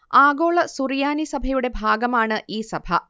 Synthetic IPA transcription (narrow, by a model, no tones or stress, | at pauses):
aːɡo̞ːɭɐsurijaːnisɐbʱɐjuɽe̞bʱaːɡɐmaːɳɨʔiːsɐbʱɐ